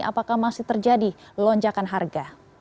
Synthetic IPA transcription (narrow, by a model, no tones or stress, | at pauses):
a̰pakahmasɪht̪ərd͡ʒadilɔɲd͡ʒakanɦarɡa